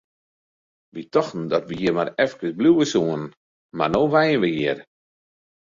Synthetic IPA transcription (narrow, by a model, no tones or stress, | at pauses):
ʋitɔxtn̩dɔtʋijɪmaɾɛfkəsbluəsuən | marnoːʋɛjənʋəjiər